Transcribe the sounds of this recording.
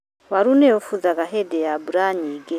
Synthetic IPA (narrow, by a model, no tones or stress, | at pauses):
waɾuneofuzaɡaɦedejabuɾaɲiɡe